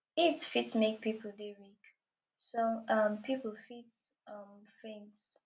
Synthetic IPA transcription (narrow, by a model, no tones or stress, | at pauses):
itsfitsmek̚pʰipʰəl̩ˠdeɹik | soʌmpʰipəl̩ˠfits | ʌmfẽns